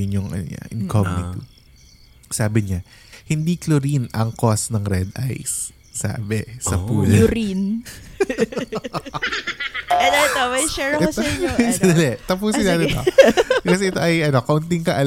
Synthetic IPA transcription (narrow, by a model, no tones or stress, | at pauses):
ɪɲjʊŋʔɐ̰no̰ɲa̰ʔɪnkomnɪ̰t̪ḭb | saːbɪɲa | hɪnd̪iklʊɾinɐŋkosnɐŋɾɛd̪ʔa̰jsː | a̰ːbɛsɐpuːlɐɾin | ɐd̪ɐt̪omɐjʃɛɹ | sɐɐlɛʔt̪ɐpuːsɪnaːt̪ɛokɐsɛʔɪt̪o̞ʔɐjʔɐno̞kɐʔʊnt̪ɪŋkɐʔɐl